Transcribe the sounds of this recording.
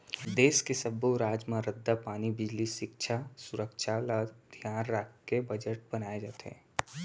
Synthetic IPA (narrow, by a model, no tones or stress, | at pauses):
d̪eːʃkesəboɾaːd͡ʒmãɾəd̪ːapaːnibɪd͡ʒliʃɪkʃʰasʊɾəkʃʰalad̪ʱjaːnɾakkebəd͡ʒəʈ̚bənaːed͡ʒaːt̪eɦɛ̰̃ː